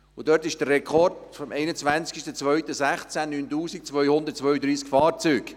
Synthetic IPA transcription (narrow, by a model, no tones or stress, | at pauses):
ʊd̥œrtɪʃd̥ərɛkʰɔrdfɔmʔɛɪnət͡svʋænt͡skɪʃtət͡svœɥt̪əsæχt͡sænːyːntuːsik̚t͡svœʏhʊnd̪əɾt̚t͡svœʏəd̪ɾiːskfɑːrt͡syːɡ